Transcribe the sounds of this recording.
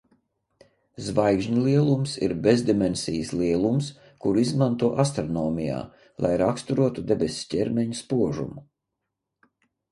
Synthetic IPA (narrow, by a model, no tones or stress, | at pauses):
zvajɡʒɲulˠiɛlˠumsḭɾbezd̪imɛnsʲijəsliɛlˠums | kuɾizmant̪uɔʔast̪ɾɔnɔːmʲija̰ː | lˠa̰jɾakst̪uɾuɔt̪ud̪ebʲesʲcʲɛɾmɛɲuspuɔʒṵmu